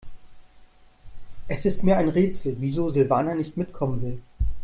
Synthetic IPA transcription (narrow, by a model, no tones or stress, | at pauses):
ʔɛsɪstmiːɐʔaɪnʁeːt͡sl̩viːzoːzɪlvaːnanɪçtmɪtkʰɔmənvɪl